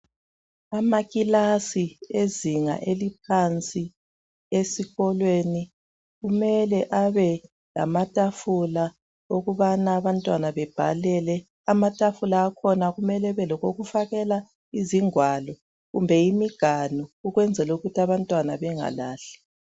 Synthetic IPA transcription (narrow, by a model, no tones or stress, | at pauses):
amaɣilasieziŋa̰ʔelip̚ʰant͡sʼi | esiɣɔlweni | ɣumɛlɛʔaβɛ | la̰matʼafula | oɣuβanaːβantʼwanaβɛb̥ʱa̰lɛlɛ | amatʼafulaːkʰɔnaɣumɛlɛβɛlɔɣoɣufaɣɛla | iziŋwalɔ | ɣumbʱɛimiɡ̥ʱanɔuɣwɛnd͡zʱɛluɣutʰiaβantʼwanaβɛŋa̰la̰ːɬɛ̥